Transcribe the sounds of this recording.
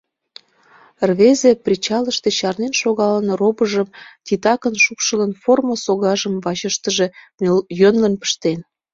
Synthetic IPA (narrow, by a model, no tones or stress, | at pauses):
rβezeprʲit͡ɕɑləʃt̪e̽t͡ɕɑrnenʃoɣɑlənrobəʒəmt̪ʲit̪ɑkənʃupʃələnformosoɣɑʒəmvɑt͡ɕəʃt̪əʒe̽ | jønlənpə̥ʃt̪en